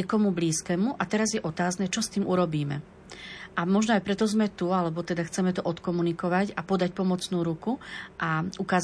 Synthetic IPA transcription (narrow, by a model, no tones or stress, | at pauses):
ɛkɔmubliːskɛːmuʔat̪ɛɾazjɛʔɔt̪aːznɛt͡ʃɔst̪iːmʔuɾɔbiːmɛ̰ | ʔamɔʒnɔajpɾɛt̪ɔzmɛt̪ualɛbɔt̪ɛd̪axt͡sɛmɛt̪ɔʔɔt̪kɔmunikɔʋacapɔd̪ac̚pɔmɔt͡snuːɾukuʔaukaːz